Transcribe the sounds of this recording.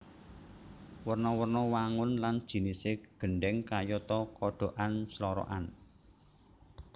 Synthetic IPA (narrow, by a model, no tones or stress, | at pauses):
wərnɔwərnɔwaŋʊnland̥ʒ̥i̤niseɡ̥ə̤ɳɖɛŋkajɔt̪ɔkɔɖ̥o̤ʔanslɔɾɔ̰ʔa̰n